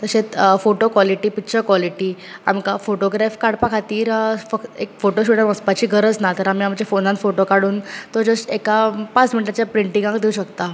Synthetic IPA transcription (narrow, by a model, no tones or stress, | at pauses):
t̪əɕet͡s̪foʈokʋɔliʈiːpitːɕəkʋɔliʈi | a̰mkafoʈoɡɾɛfkaɽpãkʰat̪iːɾfəkekfoʈoɕuʈəɾəspat͡ɕiːɡʱəɾəd͡znat̪əɾam̤iam̤əd͡ʑefonãnfoʈokaɽuːnt̪od͡zəsekapat͡sminiʈat͡ɕjapɾiɳʈĩŋɡãŋkd̪euɕəkt̪a